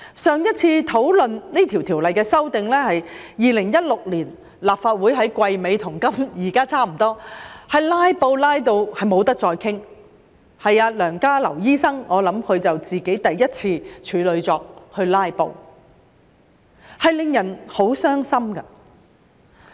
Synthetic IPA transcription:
sœː˨˧ŋjɐ˥t̚t͡sʰiː˧t̪ʰo˨˥wlɵ˨nniː˥t̪ʰi˨wt̪ʰiː˨˩wlɐ˨jkɛː˧sɐ˥wt̪ɪ˨ŋlɛː˥hɐ˨jjiː˨˧lɪ˨˩ŋjɐ˥t̚lʊ˨k̚liː˨˩n | laː˨p̚faː˧t̚wuː˨˥jɦɐ˨˥jkʷɐ˧jme˨˧jt̪ʰʊ˨˩ŋkɐ˥mjiː˨˩kaː˥t͡sʰaː˥m̩˨˩t̪ɔː˥hɐ˨jlaː˥jpo˧wlaː˥jt̪̬o˧whɐ˨˩jmo˨˧wt̪ɐ˥k̚t͡sɔː˧jkʰɪ˥ŋ | hɐ˨jaː˧lœː˨˩ŋkaː˥lɐ˨˩wjiː˥sɐ˥ŋʔɔː˨˧lɐ˨˥mkʰɵ˨˧ɥt͡sɐ˨wt͡siː˨ke˨˥jt̪ɐ˨jːɐ˥t̚t͡sʰiː˧t͡ʃʰyː˨˧lɵ˨˧ɥt͡sɔː˧k̚hɵ˧ɥlaː˥jpo̰˧w | hɐ˨jlɪ˨ŋjɐ˨˩nho˨˥wsœː˥ŋsɐ˥mkɐ˧

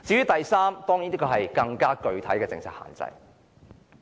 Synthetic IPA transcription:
t͡siː˨˥ɥyː˨˥t̪ɐ˨jsaː˥mt̪ɔː˥ŋi˨˥nt̪iː˥kʰːɔ˨˧ɦɐ˨jkɐ˧ŋkaː˥kɵ˧ɥt̪ʰɐ˨˥jkɛː˧t͡sɪ̰˧ŋt͡sʰa̰ː˨tha̰ː˨nt͡sɐ̰˧j

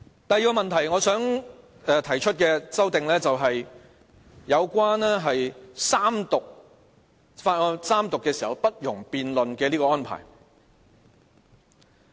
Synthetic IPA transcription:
t̪ɐ˨jiː˨˧kɔː˧mɐ˨nt̪ʰɐ˨˩jŋɔː˨˧sœː˨˥ŋ | ɛ˧t̪ʰɐ˨˩jt͡ʃʰɵ˥t̚kɛː˧t͡sɐ˥wt̪ɪ˨ŋlɛː˥t͡sɐ˨wɦɐ˨j | jɐ˨˧wkʷwaː˥nɛː˥ɦɐ˨jsaː˥mt̪ʊ˨k̚ | faː˧t̚ɔː˧saː˥mt̪ʊ˨kːɛː˧siː˨˩hɐ˨˩wpɐ˥t̚jʊ˨˩ŋpiː˨nlɵ˨nkɛː˧liː˥kɔː˧ɔː˥npʰa̰ː˨˩j

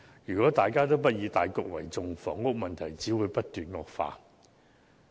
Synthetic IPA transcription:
jyː˨˩kʷwɔː˨˥t̪aː˨jkaː˥t̪o˥wp̬ɐ˥t̚jiː˨˧˥t̪aː˨jkʊ˨k̚wɐ̰˨˩jt͡sʊ˨ŋfɔː˨˥ŋŋʊ˥k̚mɐ˨nt̪ʰɐ˨˩jt͡siː˨˥wuː˨˧jpɐ˥t̚t̪yː˨nŋɔː˨˧k̚fa̰ː˧

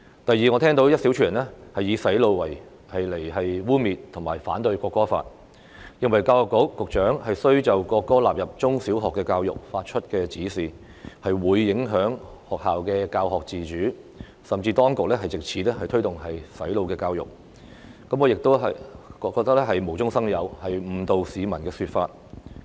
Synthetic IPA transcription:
t̪ɐ˨jːiː˨ŋɔ˨˧ɛː˥ŋt̪o˨˥wjɐ˥t̚si˨˥wt͡ʃʰyː˨˥˩ɐ˨˩nɛ˥hɐ˨jːiː˨˧sɐ˨˥jlo˧wːɐ˨˩j | hɐ˨jle˨˩jɦɐ˨jwuː˥miː˨t̚t̪ʰʊ˨˩ŋmaː˨˩jfa̰ː˨˥nt̪ɵ˧ɥkɔː˧kːɔː˥fa̰ː˧t̚ | jɪ˨˧ŋwɐ˨˩jkaː˧whɔː˨kːʊ˨˥wkʊ˨k̚t͡ʃœː˨˥ŋhɐ˨jsɵ˥ɥt͡sɐ˨wkɔː˧kːɔː˥laː˨p̚jɐ˨p̚t͡sʊ˥ŋsi˨˥wɦɔː˨kːɛː˧kaː˧wjʊ̰˨k̚faː˧t̚t͡ʃʰɵ˥t̚kɛː˧t͡siː˨˥siː˨ | hɐ˨jwuː˨˧jːɪ˨˥ŋɦœː˨˥ŋhɔː˨k̚haː˨wkɛː˧kaː˧wɦɔː˨k̚t͡siː˨t͡ʃyː˨˥ | sɐ˨mt͡siː˧t̪ɔː˥ŋkʊ˨k̚lɛː˥ɦɐ˨jt͡sɪ˨k̚t͡sʰiː˨lɛ˥hɐ˨jt̪ʰɵ˥ɥt̪ʊ˨˩ŋɦɐ˨jsɐ˨˥jlo˨˧wkɛː˧kaː˧wjʊ̰˨k̚ | kɐ˨˥mkɔː˨˧jɪ˨k̚t̪o˥wɦɐ˨jkɔ˧kːɔ˧kt̪ɐ˥k̚lɛ˥ɦɐ˨jmo˨˩wt͡sʊ˥ŋsɐ˥ŋjɐ˨˧whɐ˨jm̩ː˨˩t̪o˨wsiː˨˧mɐ˨˩nkɛː˧syː˨t̚fa̰ː˧t̚

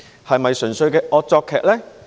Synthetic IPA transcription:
hɐ˨jmɐ˨jsɵ˨˩nsɵ˧ɥkɛː˧ʔɔː˧t̚t͡sɔː˧kʰːɛː˨k̚lɛː˥

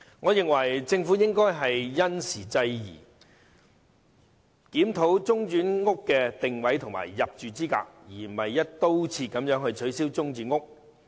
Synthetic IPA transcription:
ŋɔː˨˧jɪ˨ŋwɐ˨˩jt͡sɪ˧ŋfu˨˥jɪ˥ŋkɔː˥jɦɐ˨jjɐ˥nsiː˨˩t͡sɐ˧jjḭː˨˩ | kiː˨˥mt̪ʰo˨˥wt͡sʊ˥ŋt͡ʃyː˨˥nŋʊ˥kːɛː˧t̪ɪ˨ŋwɐ˨˥jt̪ʰʊ˨ŋma̰ː˨˩jːɐ˨p̚t͡ʃyː˨t͡siː˥ka̰ː˧k̚jiː˨˩˨mɐ˨jːɐ˥t̚t̪o˥wt͡sʰiː˧t̚kɐ˨˧mjœː˨˥ŋhɵ˧ɥt͡ʃʰɵ˨˥ɥsiː˥wt͡sʊ˥ŋt͡ʃyː˨˥nŋʊ˥k̚

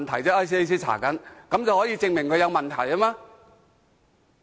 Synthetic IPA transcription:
nt̪ʰɐ˨˩jt͡sɛː˥ʔa˥js̬i˥e˥jsiː˥t͡sʰa̰ː˨˩kɐ˨˥nkɐ˨˥mt͡sɐ˨whɔː˨˥jiː˧t͡sɪ˧ŋmɪ˨˩ŋkʰɵ˨˧jɐ˧wmɐ˨nt̪ʰɐ˨˩jɐ˥maː˧

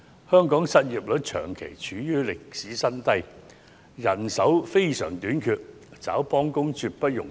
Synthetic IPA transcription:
hœː˥ŋkɔː˨˥ŋsɐ˥t̚jiː˨˩p̚lɵ˨˥t̚t͡ʃʰœ̰ː˨˩ŋkʰḛ˨˩jt͡ʃʰyː˨˥jyː˥lɪ˨k̚siː˨˥sɐ˥nt̪ɐ˥j | jɐ˨˩nsɐ˨˥wfe˥jsœː˨˩ŋt̪yː˨˥nkʰyː˧t̚ | t͡sa̰ː˨˥wpɔː˥ŋkʊ˥ŋt͡ʃyː˧t̚pɐ˥t̚jʊ̰˨˩ŋ

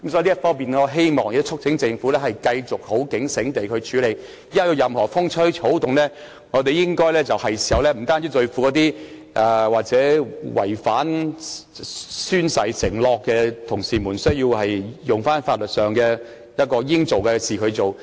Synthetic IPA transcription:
kɐ˦msɔː˨˥˧jtfɔː˥ŋmiː˨˩nɛ˨ɔː˨˧ɦe˥jmɔː˨˩ŋj̚t̪t͡ʃʰʊ˥k̚t͡sʰɪ˨˥ŋt͡sɪ˧ŋfu˨˥lɛː˥ɦɐ˨jkɐ˧jt͡sʊ˨k̚ho˨˥wkɪ˨˥ŋsɪ˨˥ŋt̪e˨jkʰɵ˧ɥt͡ʃʰyː˨˧˥le˨˩j | jɐ˥t̚jɔ˧jɐ˨mhɔː˨˩fʊ˥ŋt͡sʰɵ˥jʰo˨˥wt̪ʊ˨ŋlɛː˥ | ŋɔː˨˧t̪e˨jɪ˥ŋkɔː˥jlɛː˥t͡sɐ˨whɐ˨jsi̥˨˩hɐ˨wlɛː˥m̩˨˩t̪aː˥ni˨˥t̪ɵ˧ɥfuː˧kɔ˨˧˥t̪iː˥ | ʔaː˨˧waː˨k̚t͡sɛː˨˥wʔɐ̰˨˩jfaː˨˥n | syː˥nsɐ˨˧˩jsɪ˨˩ŋlɔː˨kːɛː˧t̪ʰʊ˨˩ŋsiː˨muː˨˩nsɵ˥ɥjiː˧whɐ˨jjʊ˨˩ŋfaː˥nfaː˧t̚lɵ˨t̚sœː˨ŋkɛː˧ | jɐ˥t̚kɔː˧jɪ˥ŋt͡so˨wkɛ˧siː˨kʰɵ˨˧ɥt͡so˨w

